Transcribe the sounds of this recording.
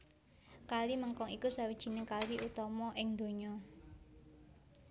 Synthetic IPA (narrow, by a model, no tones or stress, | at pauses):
kaliməŋkɔŋikusawid̥ʒ̥i̤nekaliʔut̪ɔmɔʔɪŋd̪̥o̤ɲɔ